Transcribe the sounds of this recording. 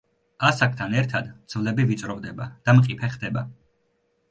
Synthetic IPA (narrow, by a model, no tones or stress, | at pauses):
asak̚ʰʼt̪ʰanɛɾt̪ʰad̪d̪z̥vlɛbivit͡ʃ̪ʼɾɔvd̪ɛbad̪̥amqʼipʰɛχd̪ɛba